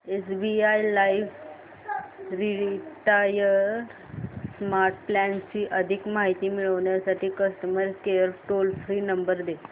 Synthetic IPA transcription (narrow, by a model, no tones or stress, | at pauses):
esbiajlaiʋ | ɾiɽiʈajə | smaɾʈ̚plɛnt͡ɕiːʔəd̪ʱikmaɦit̪iːmiɭəʋɳjasaʈʰiːkəst̪əməɾkeəɾʈolfɾiːnəmbəɾd̪e